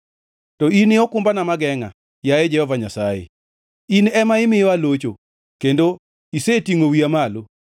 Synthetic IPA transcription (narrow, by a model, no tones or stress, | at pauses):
tɔinɪɔkʊmbanamaɡɛŋa̰ | jajɛd͡ʒɛhɔvaɲasajḛ | inɛmaɪmɪjɔalot͡ʃo | kendo | isetiŋowiamalo